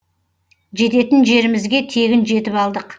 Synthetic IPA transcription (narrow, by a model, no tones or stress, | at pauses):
ʒe̞t̪e̞t̪ɪnʒe̞ɾɪmɪzɡʲe̞t̪ʰe̞ɡʲɪnʒe̞t̪ɪpɑlˠd̪əq